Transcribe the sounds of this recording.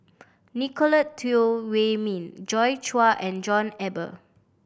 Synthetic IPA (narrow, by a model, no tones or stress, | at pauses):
nikʰɔlətʰːiowemĩnd͡ʒɔjt͡ʃuaʔɛ̃nd͡ʒɔ̃nɛbə̰